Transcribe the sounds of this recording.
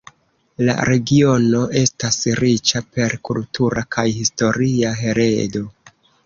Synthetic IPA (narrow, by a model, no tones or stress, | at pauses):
la̰ɾe̞ɡio̞no̞ʔe̞stasɾit͡ʃape̞ɾkultʰuɾakʰajhisto̞ɾiaɦe̞ɾedo̞